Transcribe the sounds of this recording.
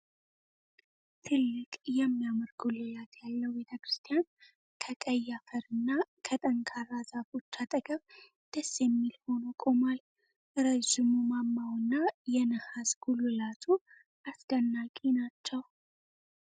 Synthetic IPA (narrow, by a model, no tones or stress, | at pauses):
t̪ʰɨlːɨkʼjɛmːijamɨɾɡulɨjat̪jalːəhwbet̪ʰəkɾɨst̪ʰʼijan | kʰəkʼəjːafəɾɨnːakʰət̪ʼəŋkʰaɾazafot͡ʃːat̪ʼəɡəβ | d̪̥əsjɛmːilho̞nokʼo̞mal | ʔɨɾəd͡ʒɪmumamːawɨnːajɛnəhazɡ̥ulɨlat̪ʰu | ʔasd̪̥ənːakʼinat͡ʃːɛw